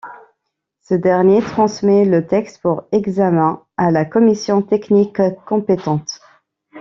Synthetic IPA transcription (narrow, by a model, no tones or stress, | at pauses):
səd̪ɛʁnjet̪χɑ̃smɛlət̪ɛkst̪puʁɛɡzamɛ̃ | alakɔmisjɔ̃t̪ɛknikkːɔ̃pet̪ɑ̃t̪